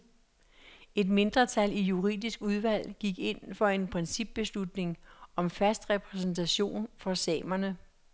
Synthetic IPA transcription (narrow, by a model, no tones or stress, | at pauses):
e̝d̥me̝nd̥ʁɐt͡sʰælijuʁḭːðˠisɡ̥uð̞ˠʋæl̰ɡ̥iɡ̥e̝n̰fɒ̽e̝npʰʁɛnsib̥ːe̝slud̥ne̝ŋɒ̽mfæsd̥ʁɛpʰʁɛs̬n̩t͡sʰæɕo̝̰ːnfɒ̽sɛ̰ːmɐnə